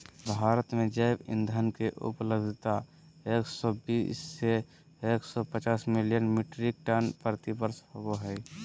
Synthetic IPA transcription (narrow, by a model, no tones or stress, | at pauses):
bʱaːɾət̪mẽd͡ʒəɪbɪ̰̃nd̪ʱənkeʔʊ̰pləbd̪ʱt̪a | eːksɔbisːe | eːksɔpət͡ʃaːsmɪlijənmiʈɾik̚ʈanpəɾt̪ibəɾshoboɦɛɪ